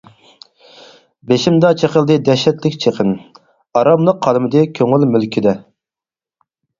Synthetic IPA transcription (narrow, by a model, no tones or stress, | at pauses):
beʃimd̪ɑt͡ʃʰeqəlˠd̪ɨd̪ɛʃɛt̪lɪkʲt͡ʃʰeqʰən | ɑɾɑblˠəqʰːɑlˠmɨd̪ɨkʲʰøŋylmylkʲʰid̪ɛ